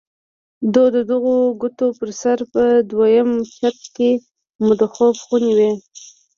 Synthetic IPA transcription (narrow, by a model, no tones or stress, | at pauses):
d̪od̪əd̪əɣoɡʊt̪opəɾsaɾpəd̪wajəmt͡ʃat̪̚ke | mʊd̪oxɑbxunewe